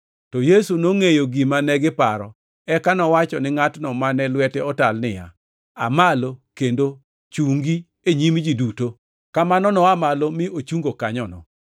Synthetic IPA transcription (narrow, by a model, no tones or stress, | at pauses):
tɔjesunoŋejoɡimanɛɡɪpaɾɔ | ɛkanɔwat͡ʃɔnɪŋatnɔmanɛlwɛtɛɔtalnɪja̰ | a̰malokendo | t͡ʃuŋɡi | eɲimd͡ʒiduto | kamanɔnɔamalomɪʔot͡ʃuŋɡokaɲɔnɔ̰